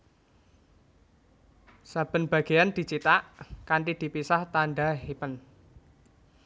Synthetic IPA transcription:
sab̥ə̤nb̥a̤ɡ̥e̤jand̪̥i̤t͡ʃit̪aʔkaɳʈid̪̥i̤pisaht̪aɳɖaɦepən

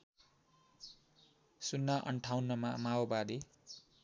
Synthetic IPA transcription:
sunːaʔʌ̰ɳʈʰawnːʌmamaobad̪i

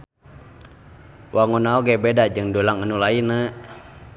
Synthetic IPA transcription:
wʔaŋunaoɡebedad͡ʒɨŋdolaŋənulaina

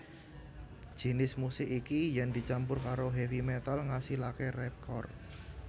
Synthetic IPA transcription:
d̥ʒ̥i̤nɪsmusɪkikijɛnd̪̥i̤t͡ʃampʊrkaɾoɦefimɛt̪alŋasihlakerɛkʰɔ̰r̚

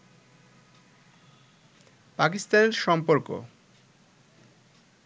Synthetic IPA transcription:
pakist̪aneɾʃɔmpoɾko̰

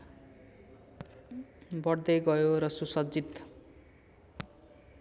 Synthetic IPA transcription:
bʌɽd̪ʌjɡʌjoɾʌsusʌd͡zit̪

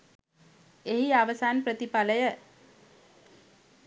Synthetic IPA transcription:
eɦiaʋəsaːnpɾət̪ipaləjə

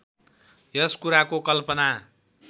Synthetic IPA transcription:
jʌskuɾakokʌlpʌna

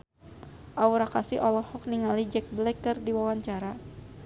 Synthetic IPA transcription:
ʔauɾakasiʔɔlɔhɔk̚niŋalid͡ʒɛk̚blɛkːərdiwawaɲt͡ʃaɾa

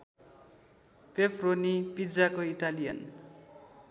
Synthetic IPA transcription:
pepronipid͡zakoiʈalijʌ̰n

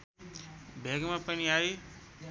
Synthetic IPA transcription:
bʱeːɡmãːpənĩːaːɦeː

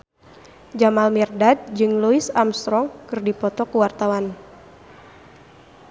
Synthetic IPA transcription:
d͡ʒamalmirdad̚d͡ʒɨŋluisamst̪ɾɔŋkɨrdipɔt̪ɔkuwart̪awan

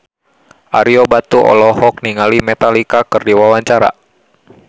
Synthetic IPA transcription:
ʔaɾiobat̪uʔɔ̰lɔɦɔk̚niŋalimɛt̪alikakɨrdiwawaɲt͡ʃaɾa̰

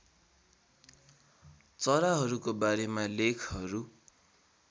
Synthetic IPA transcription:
t͡sʌɾaɦʌɾukobaɾemalekʰɦʌɾu

